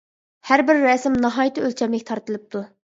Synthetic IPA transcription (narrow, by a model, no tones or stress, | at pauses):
hæɾbɪɾːɛsɪmnɑɦɑːjt̪ʰɨølt͡ʃʰɛmɪk̚ʲt̪ʰɑɾt̪ɨlˠɨp̚t̪ʰu